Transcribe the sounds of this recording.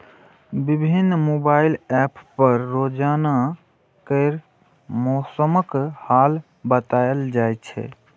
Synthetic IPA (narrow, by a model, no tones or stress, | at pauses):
bibʱinːmobailɛppəɾːod͡ʒana | kəɪɾ | mɔsəməkhal | bət̪ajld͡ʒajt͡ʃʰɛ̰